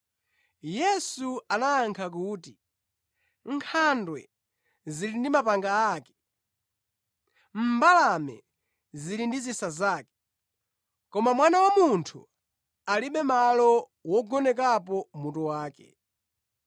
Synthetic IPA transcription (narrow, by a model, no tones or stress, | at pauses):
jɛsuanaːŋkʰak̬uːti | ŋkʰandwɛ | zilindimapaŋɡaːkɛ̥ | m̩balamɛ̰ | zilindizisazaːkɛ̥ | kɔmamwanawamuntʰu | aliɓɛmalɔ | wɔɡɔnɛkap̬ɔmutɔwaːkɛ̰